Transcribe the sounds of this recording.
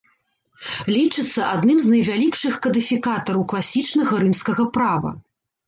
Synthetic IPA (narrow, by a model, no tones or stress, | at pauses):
lʲit͡ʂɨt̪sːɐʔad̪nɨmznɐjvʲalʲikʂɨxkɐd̪ɨfʲikat̪ɐɾɐwklˠasʲit͡ʂn̪ɐɣɐɾɨmskɐɣɐpɾavɐ̰